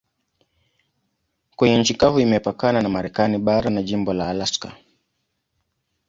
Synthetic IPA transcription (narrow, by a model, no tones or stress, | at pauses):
kwɛɲɛnɲ̩t͡ʃikavuimɛpakananamaɾɛkaniɓaɾanaʄimbɔlaːlaska̰